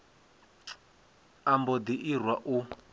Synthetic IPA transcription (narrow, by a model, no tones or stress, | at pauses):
ambɔd̪iʔirwaʔu